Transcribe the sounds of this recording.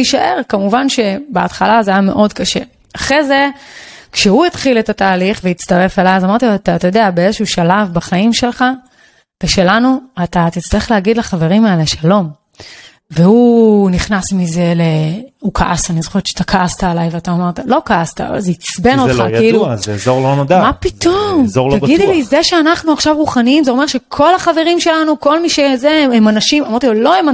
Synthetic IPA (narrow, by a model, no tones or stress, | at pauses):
iʃaʔe̞ʁkamuvanʃe̞beat̪χalazajame̞ʔo̞dkaʃe̞̰ | aχʁezekʃeuit̪χiletataːliχvejit͡st̪aʁe̞felajazamaʁt̪it̪at̪ajo̞d̪eabeezeʃuuʃalavbaχaimʃe̞lχa | veʃe̞lanuat̪at̪it͡st̪aʁeχlehaɡid̪laχave̞ʁimaeleʃalo̞m | vehuniχnasmize̞leukʰaʔasanizoχett͡ʃḁt̪akʰaast̪aːlajveat̪aomaʁt̪alo̞kaast̪a̰zeit͡sbennoχajeiluzezoʁlonod̪amapit̪omzoʁltaid̪lizeʃeanaχnuaχʃavʁuχaniimzeo̞meʁʃe̞kʰo̞laχave̞ʁimʃe̞lanuko̞lmiʃezeemanaʃimamaʁt̪ilo̞ema